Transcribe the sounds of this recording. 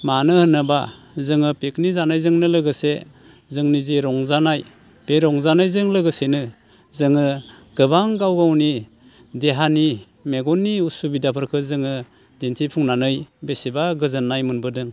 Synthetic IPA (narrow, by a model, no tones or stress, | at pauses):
manɯhɯnːɯba | zɯŋɯpeknizanajzɯŋnɯlɯɡɯse | zɯŋniziɾɔŋzanaj | b̥eɾɔŋzanajzɯŋlɯɡɯsenɯ | zɯŋɯ | ɡ̥ɯbaŋɡawɡawni | deɦani | meɡɔnːiusubidapʰɯɾkʰɯzɯŋɯ | dentʰipʰuŋnanɯjbesibaɡɯzɯnːajmɯnbɯdɯŋ